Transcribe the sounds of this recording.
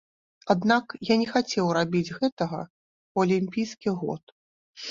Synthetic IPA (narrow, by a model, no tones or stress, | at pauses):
ad̪nakjanʲɛxat͡sʲɛwrabʲid͡zʲɣɛt̪ɐɣɐ̰ | ɐlʲimʲpʲijskʲiɣɔ̰t̪̚